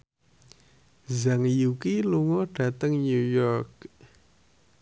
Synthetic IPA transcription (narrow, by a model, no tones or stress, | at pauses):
zaŋjukiluŋoɖ̥a̤t̪əŋɲujɔk̚